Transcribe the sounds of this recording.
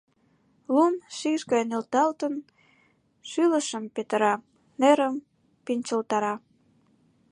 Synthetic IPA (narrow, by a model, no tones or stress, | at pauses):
lumʃiʃɣɑjnelt̪ɑlt̪ən | ʃyləʃəmpet̪əɾɑ | neɾəm | pinʲt͡ɕəlt̪ɑɾɑ